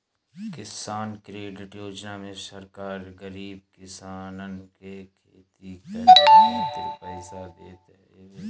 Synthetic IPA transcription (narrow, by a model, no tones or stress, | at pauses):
kɪsaːnkɾeːɖɪʈjoːd͡ʒnaːmẽsəɾkaːɾɡəɾiːb̚kɪsaːnənkekʰeːt̪ikɐt̪ɪɾpəɪsad̪eːt̪e